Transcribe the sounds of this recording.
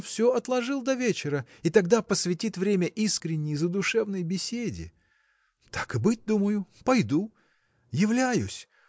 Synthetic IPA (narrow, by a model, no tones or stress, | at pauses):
fsʲɵɐt̪lˠɐʐɨlˠd̪ɐvʲet͡ɕɪɾəit̪ɐɡd̪apəsvʲɪtʲit̪vɾʲemʲəʔiskɾʲɪnʲːɪjzəd̪ʊʂɛvnəjbʲɪsʲedʲɪ̰ | t̪ḁkɨbɨt̚ʲd̪uməjʊpɐjd̪u | jɪvlʲæjʊsʲ